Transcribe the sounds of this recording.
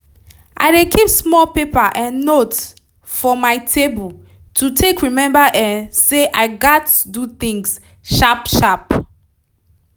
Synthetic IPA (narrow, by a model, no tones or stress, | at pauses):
ʔa̰ɪdekʰipsmɔlpepəʔɛ̃nːot | fɔmaɪtʰebul | tʰutʰekɹimɛ̃mbəʔɛ̃nseʔaɪɡatudut̪ĩŋs | ʃapʃap